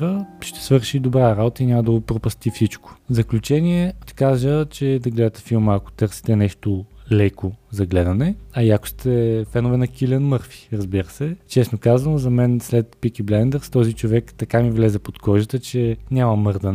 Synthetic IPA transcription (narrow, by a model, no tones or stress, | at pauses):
əʃt̪ɛ̥svɤɾʃid̪obɾaɾabot̪əinʲaməd̪ɐopɾopɐst̪ifsit͡ʃko̥vzɐklʲut͡ʃɛnʲiɛʃt̪ɛ̥kaʒət͡ʃɛd̪ɐɡlɛd̪ət̪ɛ̥filˠməːko̥t̪ɤɾsi̥t̪ɛnɛʃt̪olɛkozɐɡlɛd̪ɐnɛɐiɐko̥st̪ʰɛfɛnovɛnɐkʲilʲɛnmɤɾfi̥ɾɐzbiɾəsɛt͡ʃɛsnokazvɐnozɐmɛnslɛt̪pikiblɛnd̪ɛɾst̪ɔzit͡ʃovɛkt̪ɐkamivlɛzɛpot̪kɔʒət̪ət͡ʃɛnʲamɐmɤɾd̪ɐn